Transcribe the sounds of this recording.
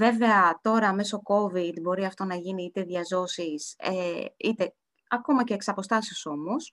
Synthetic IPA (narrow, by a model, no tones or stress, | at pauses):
ve̞ve̞ɐt̪o̞ɾɐːme̞so̞ko̞vid̪bo̞ɾiɐft̪o̞nɐʝiniit̪e̞ðʝɐzo̞sisḛit̪e̞ | ɐko̞mɐce̞ːksɐpo̞st̪ɐsoso̞mo̞s